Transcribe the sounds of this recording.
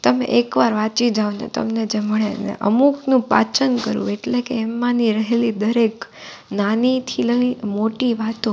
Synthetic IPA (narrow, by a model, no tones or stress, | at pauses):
t̪əmḛʔekʋaɾʋat͡ʃid͡ʒaʋnḛt̪ə̰mned͡ʒeməɭenḛʔə̰muknũpa̰t͡ʃənkəɾṵ̃eʈlekeːmːãniɾəɦelid̪əɾek | nanit̪ʰiləĩmoʈiʋat̪õ